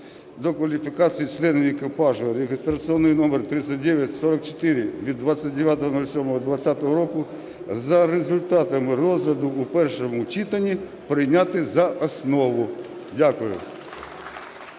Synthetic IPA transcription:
d̪ɔkʋɐlʲifʲikɑt͡sʲijit͡ʃlˠɛnʊʋʲekɪpɑʒʊɾʲeɦɪst̪ɾɐt͡sʲiɔnːɔjnɔmert̪ɾɪsʲɐt̚ʲd̪ɛʋʲjɐtʲsɔɾɐk̚t͡ʃo̥t̪ɪɾʲɪʋʲid̪ːʋasʲːɐtʲd̪eʋʲjat̪ɔɦɔnɔlʲsʲɔmɔɦɔd̪ʋɐt͡sʲːat̪ɔɦɔɾɔkʊ | zɐɾezʊlʲt̪ɑt̪ɐmɪrɔzɦlʲɐd̪ʊupɛrʃomʊt͡ʃit̪ɐnʲːi | pɾɪjnʲat̪ɪzɐʔɐsnɔʋʊdʲakʊjʊ̰

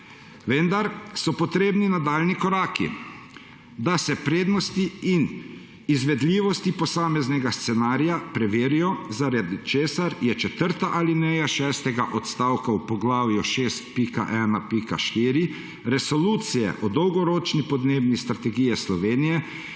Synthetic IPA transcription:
ʋənd̪aɾsɔpɔt̪ɾeːbninad̪aːlnikɔɾaːkḭ | d̪asɛpɾeːd̪nɔst̪iin | izʋɛd̪liːʋɔst̪ipɔsaːmɛznɛɡast̪sɛnaːɾijapɾɛʋeːɾijɔzaɾad̪t͡ʃeːsaɾjɛt͡ʃɛt̪əɾt̪aʔalinɛjaʃɛːst̪ɛɡaʔɔt̪st̪aːwkawpɔɡlaːwjɔʃest̪̚pika̰ʔɛːnapika̰ʃt̪iːɾi | ɾɛsɔluːt̪sijɛ̰ʔɔd̪ɔwɡɔɾoːt͡ʃnipɔd̪neːbnist̪ɾat̪ɛɡiːjɛslɔʋeːnijɛ

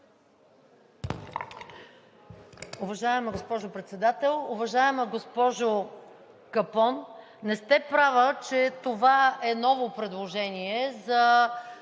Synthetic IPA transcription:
ʊvɐʒaɛmɐɡospɔʒopɾɛt̪sɛd̪at̪ɛlˠʊvɐʒaɛməɡospɔʒo | kɐpɔnː | ɛst̪ɛpɾavət͡ʃɛt̪ovaɛnɔvopɾɛd̪lˠoʒɛniɛzɐ

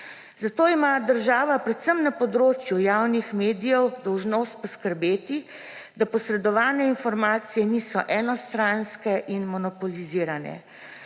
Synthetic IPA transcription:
zat̪oːimad̪əɾʒaːʋapɾɛt̪səmnapɔd̪ɾoːt͡ʃjujawnixmeːd̪ijɛwd̪ɔwʒnoːst̪̚pɔskəɾbeːt̪i | d̪apɔsɾɛd̪ɔʋaːnɛinfɔɾmaːt̪sijɛniːsɔʔɛnɔst̪ɾanskɛʔinmɔnɔpɔliziːɾanɛ̰

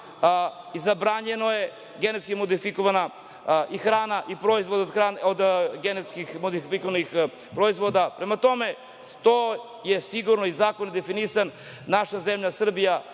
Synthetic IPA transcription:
izabɾaɲenoje̞ | ɡe̞net̪skimod̪ifikoʋana | ixɾaːnaʔipɾo̞izʋod̪aod̪xanod̪ɡenet̪skixmod̪ifikoʋanix | pɾoizʋod̪apɾemat̪o̞me̞ | st̪o | jesiɡuɾnoizaːkonid̪efinisanː | aʃazemʎasr̩bija

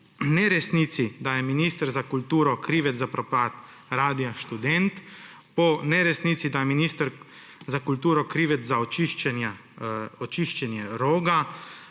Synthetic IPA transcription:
nɛɾɛsnit̪sid̪ajɛminiːst̪əɾzakult̪uːɾɔkɾiːʋɛt̪zzapɾɔpaːt̪ | ɾaːd̪ijaʃt̪ud̪ɛnt̪ | pɔnɛɾɛsnit̪sid̪ajɛminiːst̪əɾ | zakult̪uːɾɔkɾiːʋɛt̪zzaɔt͡ʃiʃt͡ʃɛnja | ɔt͡ʃiʃt͡ʃɛnjɛɾoːɡa

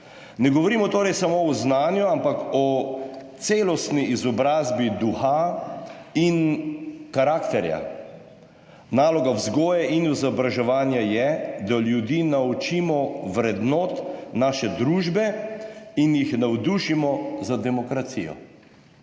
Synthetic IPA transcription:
nɛɡɔʋɔɾiːmɔt̪oːɾɛjsamoɔznaːnjuampakɔt̪seːlɔst̪niʔizɔbɾaːzbid̪uxa | in | kaɾaːkt̪ɛɾja̰ | naːlɔɡawzɡɔːjɛʔinizɔbɾaʒɛʋaːnjajɛd̪aljud̪iːnaut͡ʃiːmɔʋɾɛd̪noːt̪naːʃɛd̪ɾuːʒbɛ | injixnawd̪uʃimɔzad̪ɛmɔkɾat̪sḭjɔ̰

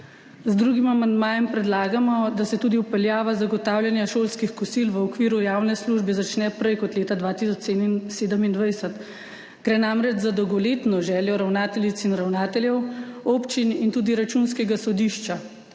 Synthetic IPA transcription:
zd̪ɾuɡimamand̪maːjɛmpɾɛd̪laːɡamɔd̪asɛt̪uːd̪iupɛljaːʋazaɡɔt̪aːwljanjaʃoːlskixkɔsilʋəɔkʋiːɾujaːwnɛsluʒbɛzat͡ʃnɛpɾɛjkɔt̪leːt̪ad̪ʋaːt̪is̬ɔt͡ʃeseːd̪əmind̪ʋajsɛt̪ | ɡ̥ɾɛnamɾɛd͡ʒzad̪ɔwɡɔleːt̪nɔʒɛːljɔɾawnaːt̪ɛlit̪sinɾawnaːt̪ɛljɛwopt͡ʃinint̪uːd̪iɾat͡ʃunskɛɡasɔd̪iʃt͡ʃa

